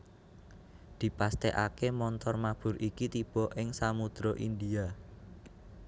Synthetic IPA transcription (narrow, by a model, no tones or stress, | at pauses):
d̪̥i̤past̪eʔakemɔnt̪ɔrmab̥ʊ̤ɾʔikit̪ib̥ɔ̤ʔɪŋsamud̪̥ɾoʔind̪ia